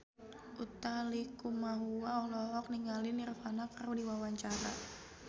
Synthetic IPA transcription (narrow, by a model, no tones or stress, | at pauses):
ʔut̪alikumaɦuaɔhlɔɦɔk̚niŋɡalɪnirfanakarudiwawaɲt͡ʃaɾa̰